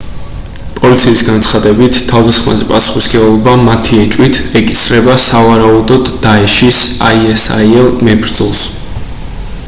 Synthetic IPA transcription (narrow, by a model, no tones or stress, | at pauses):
pʼɔlit̪sʰiːsɡant̪sʰχad̪ɛbit̪ʰt̪ʰːavd̪asχma̰zɛpʼasu̥χisɡɛɔvɔbamat̪ʰiɛt͡ʃʼwit̪ʰɛkʼisɾɛbasavaɾaud̪ɔd̪ːaɛʃisa̰iɛsa̰iɛlˠmɛbɾd̪zɔlˠs